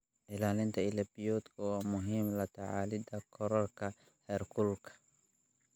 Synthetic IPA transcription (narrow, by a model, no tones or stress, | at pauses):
ʔɪlaːlɪnt̪ʰɐɪlɐbijɔːd̪kʰʊwɑːmʊɦiːmlɐt̪ʰɐʕaːlɪd̪ɐkʰɔɾɔrkʰɐ | hɛːrkʰʊlkʰɐ̥